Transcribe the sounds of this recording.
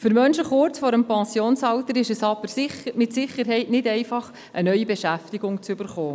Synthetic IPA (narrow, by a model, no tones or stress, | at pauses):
fʏɾmœnʃəχʊɾt͡sfɔɾəmpɑ̃nsjoːnsɑltəɾɪʃəsɑb̥əɾmɪtsɪχəɾɦɛɪtnɪdɛɪfɑχ | ʔənœʏibɛʃæftiɡʊŋt͡sʏbəɾχoː